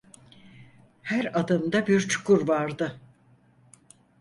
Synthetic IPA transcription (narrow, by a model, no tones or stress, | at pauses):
hæɾad̪ɯmd̪abiɾt͡ʃʰu̥kuɾvaɾd̪ɯ